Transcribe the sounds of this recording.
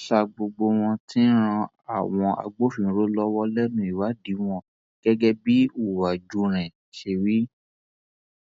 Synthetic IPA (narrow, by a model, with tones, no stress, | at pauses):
ʃa˧ɡ͡bo˧ɡ͡bo˧w̃ɔ̃˧tĩ˦ɾ̃ã˧ | a˦˨w̃ɔ̃˧a̰˧ɡ͡bo˦fĩ˨ɾo˦lɔ˦wɔ˦lɛ˦nũ˦i˨wa˨˦di˨˦w̃ɔ̃˧ | ɡ̥ɛ˦ɡɛ˦bi˦u˦˨wa˨d͡ʒu˧˦ɾ̃ɛ̃˨ | ʃe˧wi˦